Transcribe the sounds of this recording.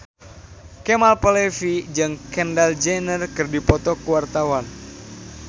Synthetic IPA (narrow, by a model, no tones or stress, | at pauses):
kɛmalpəlɛfid͡ʒɨŋkɛndald͡ʒanərkɨrdipɔt̪ɔkuwart̪awan